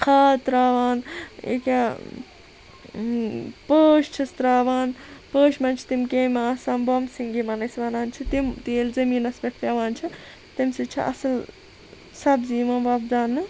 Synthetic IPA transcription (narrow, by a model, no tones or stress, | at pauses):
kʰaːt̪ɾaːʋaːnḛka | pəːʃt͡ʃʰɐst̪ɾaːʋaːnpəːʃmɐnt͡ʃʰi̥t̪imkeːmʲãːsaːmbomsiŋɡimɐnɐsʋaːnaːnt͡ʃʰit̪imt̪eːlzɐmiːnɐsbʲekʰt̪aʋaːnt͡ʃʰi | t̪imsit͡ʃʰḭʔɐ̰sɐl | sɐbziːmãbaːbd͡zaːnːɨ